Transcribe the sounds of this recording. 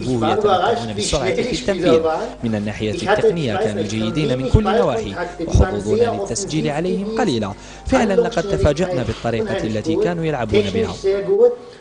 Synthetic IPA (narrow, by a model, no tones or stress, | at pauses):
buhjɑɑuːnabɪsʊɾʕt̪it̪ːaiːɾmɪnanːaːħɪjaːɪqnɪjːakaːnuːld͡ʒajːɪd̪iːnamɪnkʊlːnawaːħiwɪ̰ħʊuːd̪ˤuːnalɪt̪ːasd͡ʒiːlʕalajhɪmqɑliːla | fɪʕlanlɑqɑd̪̚t̪afaːd͡ʒaʔnaːbɪt̪ˤːɑɾiːqɑlːat̪ikaːnuːjalʕabuːnabɪha̰